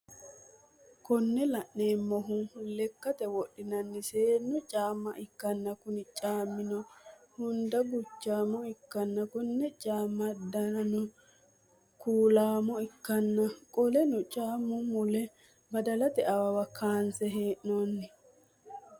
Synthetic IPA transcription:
kɔnːɛlɐʔne̞ːmːɔɦʊlɛkːɐt̪ɛwɔɗːɪnɐnːɪseːnːʊt͡ʃʼaːmːɐʔɪkːɐnːɐkʊnɪt͡ʃʼaːmːɪnɔhʊnd̪ɐɡʊt͡ʃːaːmɔɪkːɐnːɐkɔnːɛt͡ʃʼaːmːɐd̪ɐnʊ | kuːlaːmɔɪkːɐnːɐkʼɔlɛnʊt͡ʃʼaːmːʊmʊlɛ | bɐd̪ɐlɐt̪ɛɐwɐwɐkʰaːnsɛɦeːʔnonːɪ

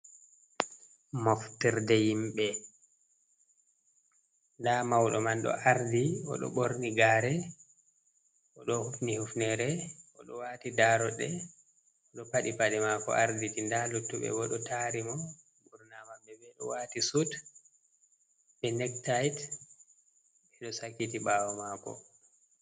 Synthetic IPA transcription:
moftiɾdɛjimɓɛ | ndamawɗɔmanɗɔ̰ʔaɾdiɔ̰ɗɔ̰ɓoɾniɡaːɾɛ | ʔɔɗɔhufnihufnɛɾɛʔɔ̰ɗɔwaːtidaɾɔɗɛ | ɔɗɔpaɗipadɛmakɔ̰ʔaɾditindalutːuɓɛ̰ɡɔɗɔtaɾimɔ | buɾnamambɛbɛɗɔ̰waːtisut | bɛnɛk̚tajt | ɛɗɔsakːitiɓawɔmakɔ̰

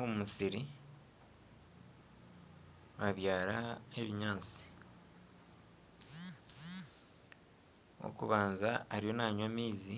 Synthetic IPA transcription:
omumusiɾi | βaβjaːɾae̞βiɲaːnt͡si̥ | o̰kuβaːnzaːɾijo̞naːɲamiːzi

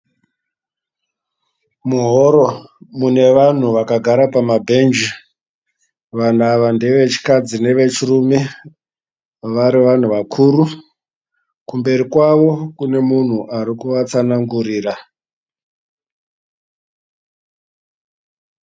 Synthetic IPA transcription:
muɦoɾo̞mune̞ʋan̤uʋakaɡʱaɾapamabʱe̞nd͡ʒi | ʋan̤aʋande̞ʋe̞t͡ʃi̥kad͡zine̞ʋe̞t͡ʃirume | ʋaɾiʋan̤uʋakʰuːru | kumbe̞ɾikwaʋo̞kune̞mun̤uʔaɾikuʋat͡sanaŋɡuriːra

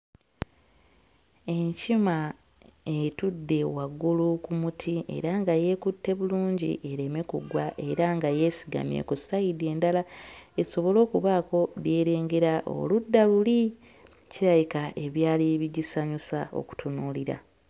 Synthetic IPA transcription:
e̞ɲcima | etudːe̞waɡulukumutʰie̞̰ɾaŋɡaje̞kutːe̞βuluːɲɟḭʔe̞ɾe̞me̞kṵɡwaʔe̞ɾaŋɡaje̞siɡa̰mjḛkusajide̞ːndalae̞so̞βo̞lo̞ːkuβaːko̞βje̞ːɾe̞ːŋɡe̞ɾaʔo̰ludːaluli | ciɾajikaʔe̞βjaːliβiɟisaɲusao̞̰ku̥tunuːliɾa̰

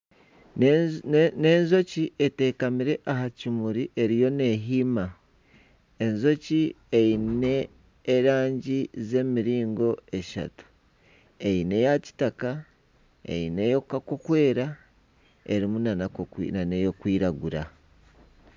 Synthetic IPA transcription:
nenzo̞ciʔe̞te̞kamiɾe̞ʔaɦacimuɾiʔe̞ɾijo̞ne̞ɦima | e̞nzo̞ci | eine̞ː | ɾaːɲɟize̞miɾiːŋɡo̞e̞ʃa̰tu̥ | e̞ine̞jaci̥taka | ḛine̞jokakokwe̞ːɾa | e̞ɾimunanaḭnanejo̞kwiːɾaɡuɾa̰

